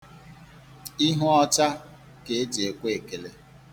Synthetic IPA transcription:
i˦ɦʊ˦ɔ˦t͡ʃa˦ | ke˨e˦d͡ʒe˨kʷe˦e˨ke˨le˨

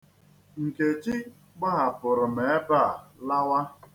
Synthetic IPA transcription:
ŋ̩˨ke˨t͡ʃɪ˦ | ɡ͡ba˦ɦa˨pʊ˨ɾʊ˨m̩e˨e˦ba˦˨la˦wa˦

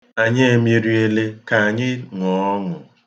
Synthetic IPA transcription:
a˨ɲɪ˦e˨mi˦ɾi˦e˦le˦ka˨a˨ɲɪ˦ŋɔ˨˦ɔ˦ŋʊ˨

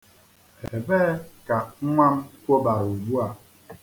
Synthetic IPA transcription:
e˨bɛ˦ka˨ŋ̩˦ŋʷa˦m˦kʷo˦ba˨u˨bu˦a˨

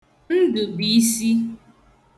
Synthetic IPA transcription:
n̩˦dʊ˨bi˨˦si˦

